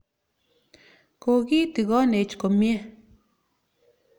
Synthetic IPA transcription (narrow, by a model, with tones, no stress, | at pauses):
ko˨ɡi˦t̪i˨ɣɔ˦ne˨t͡ʃko˨mje˦